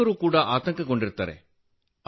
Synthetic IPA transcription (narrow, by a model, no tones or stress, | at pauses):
oɾɯkuːɽɐʔaːt̪ɐŋɡɐkːɔɳɖɪɾɯt̪ːa̰ːɾḛ